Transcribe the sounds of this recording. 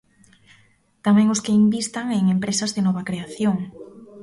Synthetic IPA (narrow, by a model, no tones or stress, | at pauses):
t̪amɛ̃ŋʊskeimbist̪aŋeŋempɾesɐzðɪnɔβɐkɾeaθjoŋ